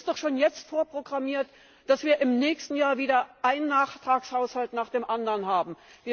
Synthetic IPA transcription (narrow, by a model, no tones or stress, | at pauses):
std̥ɔχʃoːnjɛt͡stfoːɐpʁ̥oɡʁamiːɐt | d̥asv̥iːɐʔɪmnɛːçstn̩jaːɐviːdɐʔaɪnənːaːχtʁ̥aːkshaʊshaltnaːχd̥eːmʔandɐnɦaːbm̩viːɐ